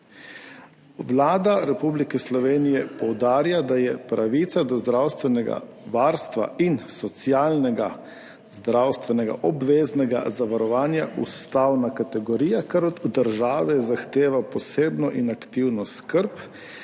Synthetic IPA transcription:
wlaːd̪aɾɛpublikɛslɔʋeːnijɛpɔwd̪aːɾjad̪ajɛpɾaʋit̪sad̪ɔzd̪ɾawst̪ʋɛnɛɡa̰ | ʋaːɾst̪ʋa̰insɔt̪sjaːlnɛɡa | zd̪ɾawst̪ʋɛnɛɡa̰ʔɔbʋeːznɛɡa̰zaʋaɾɔʋaːnjaʔṵst̪awnakat̪ɛɡɔɾiːjakɛɾɔd̪ud̪əɾʒaːʋɛzaxt̪eːʋapɔseːbnɔʔinakt̪iwnɔskəɾp

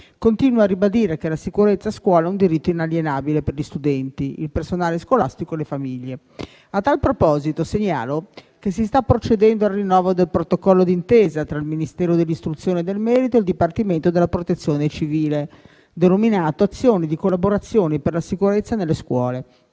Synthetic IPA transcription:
kont̪iːnwarːibad̪iːɾekelasikuɾet̪sːaːskwɔːlaɛund̪iɾit̪ːoinaljenaːbileperʎist̪ud̪ɛnt̪iḭlpersonaːleskwolast̪ikoelefamiʎːe | at̪ːalpɾopɔːzit̪oseɲːa̰ːlo | k̟es̬ːist̪apːɾot͡ʃed̪ɛnd̪oarːinːɔːvod̪elpɾot̪okɔlːod̪int̪eːzat̪ɾailminist̪ɛːɾod̪elːist̪ɾut̪sːjoːned̪elmɛːɾit̪oeld̪ipart̪iment̪od̪elːapɾot̪et̪sːjoːnet͡ʃiviːle | d̪enominaːt̪oat̪sːjoːnid̪ikolːaboɾat̪sːjoːniperlasikuɾet̪sːanelːeskwɔːle

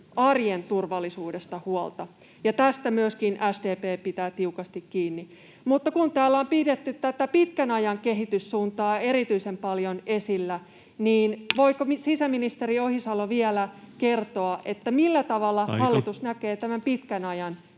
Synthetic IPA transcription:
ɑrjent̪urʋɑlːisuːdest̪ɑhuolt̪ɑ | jɑt̪æst̪æmyøskinʔæsdeːpeːpit̪æːt̪iukɑst̪ikkiːnːi | mut̪ːɑkunt̪æːlːæompidet̪ːyt̪t̪æt̪æpit̪kænɑjɑŋkeɦit̪ysːuːnt̪ɑːeɾit̪yisempɑljonesilːæ | niːnʋo̞ikomsisæminist̪eriohisɑloʋielækert̪oɑʔet̪ːæmilːæt̪ɑʋɑlːɑhɑlːit̪usnækeːt̪æmæmpit̪kænɑjɑn

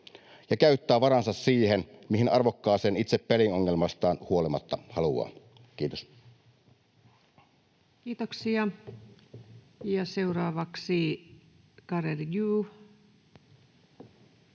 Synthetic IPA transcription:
jɑkæyt̪ːæːʋɑɾɑnsɑssiːhenmihinɑrʋokːɑːseːnit̪seppelinoŋːelmɑst̪ɑːnhuo̞limɑt̪ːɑhɑluɑ̰ːn | kiːt̪os | kiːt̪oksiɑ | jɑseurɑːʋɑksi | kɑrerjuː

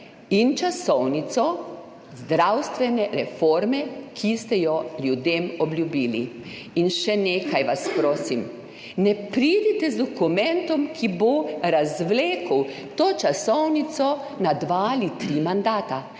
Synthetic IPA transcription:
int͡ʃasɔwnit̪sɔ | zd̪ɾawst̪ʋɛnɛɾɛfoɾmɛkʰist̪ɛjɔljud̪eːmɔbljubiːlḭ | inʃɛneːkʰajʋaspɾoːsim | nɛpɾid̪it̪ɛzd̪ɔkumɛnt̪ɔmkʰiboɾazʋleːkəw | t̪oːt͡ʃasɔwnit̪sɔ | nad̪ʋaːlit̪ɾimand̪aːt̪a

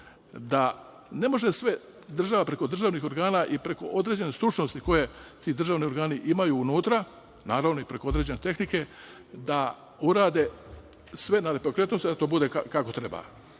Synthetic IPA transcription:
d̪a | ne̞mo̞ʒesʋe̞ | d̪r̩ʒaʋapɾe̞ko̞d̪r̩ʒaːʋnixo̞ɾɡaːnaʔipɾe̞ko̞̰ʔo̞d̪ɾe̞ːd͡ʑe̞nest̪ɾut͡ʃno̞st̪iko̞je̞t̪iːd̪r̩ʒaːʋnio̞ɾɡaːniʔimajuːnuːt̪ɾa | naːɾaʋno̞ipɾe̞ko̞o̞d̪ɾed͡ʑe̞ne̞t̪e̞xnike̞ | d̪a | uɾaːd̪e̞ | sʋe̞naɾepɾokɾe̞t̪nosd̪at̪o̞ːbud̪e̞kakako̞t̪ɾe̞ba̰ː

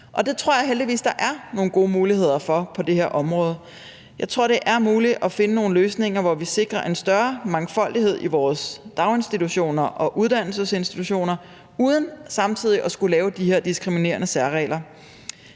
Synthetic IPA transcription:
ʔɒ̽d̥e̝t͡sʰʁo̝ɐ̰jɑ̈ɪɦeld̥iʋḭːsd̥ɑ̈ʔæɐno̝ːn̩ɡ̥o̝ːmuːlihe̝ð̞̰ˠɐfɒ̽pʰɒ̽d̥e̝heɐ̰ʔɒ̽mʁɔ̽ːð̞ˠ | jɑ̈ɪt͡sʰʁo̝ɐ̰d̥e̝ʔæɐmuːliʔɒ̽fe̝nəno̝ːn̩løːsne̝ŋ̰ɐʋɒʋise̝ɡ̥ʁɐʔe̝nsd̥ɶɐmɑ̈ŋfɒ̽l̰d̥iɦe̝ð̞̰ˠiʋɒːsd̥ɑ̈ʊe̝nsd̥it͡sʰuɕo̝̰ːnɐʔɒ̽ʔuð̞ˠd̥æn̰l̩səse̝nsd̥it͡sʰuɕo̝̰ːnɐ | uːð̞ˠən̩sɑ̈mt͡sʰið̰ˠiʔɒ̽sɡ̥ulɛːʊd̥iheɐ̰d̥isɡ̥ʁimine̝̰ːɐnəsæɐʁɛ̰ːlɐ

